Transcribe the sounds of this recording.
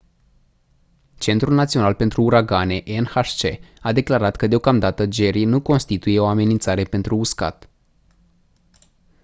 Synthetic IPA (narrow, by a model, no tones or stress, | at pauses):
t͡ʃe̞nt̪ɾulnat̪sionalpent̪ɾuːɾaɡane̞ʔenhaʃt͡ʃe̞ad̪e̞klaɾat̪kəd̪eo̞kamd̪at̪əd͡ʒe̞ɾinuko̞nst̪it̪uje̞o̞ame̞nint̪saɾe̞pe̞nt̪ɾuːska̰t̪